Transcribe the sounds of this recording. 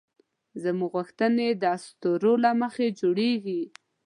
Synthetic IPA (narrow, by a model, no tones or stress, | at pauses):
zəmuɣuxt̪əned̪əast̪oɾolaməxed͡ʒoɽeɡi